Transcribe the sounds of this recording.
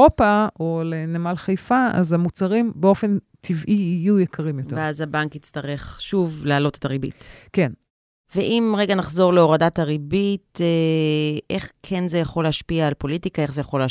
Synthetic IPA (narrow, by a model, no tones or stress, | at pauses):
opaolenemalχajfaa̰zamut͡saʁimbeo̞fe̞n | tʰivʔiːjujekʰɐʁimjotveveazabaŋkit͡stɐʁe̞χʃuvlaːlo̞te̥taʁibḭtke̞n | veʔimʁeɡanaχzo̞ʁleo̞ʁadataʁibite | ʔeχkʰenzejaχo̞leaʃpiaːlpo̞litikae̞χzejaχo̞lː